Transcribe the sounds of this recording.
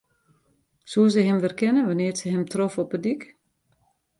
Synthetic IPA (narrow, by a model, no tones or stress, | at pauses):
suəs̬əɦɛmʋɪrkɪnənʋanɪːrsəɦɛmtrofɔpədik